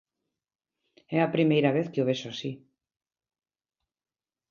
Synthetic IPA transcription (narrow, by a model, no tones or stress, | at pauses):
ɛɐpɾimejɾaβeθkɪoβeʃasi